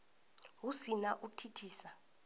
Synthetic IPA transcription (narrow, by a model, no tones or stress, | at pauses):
ɦusinaʔutʰitʰiːsa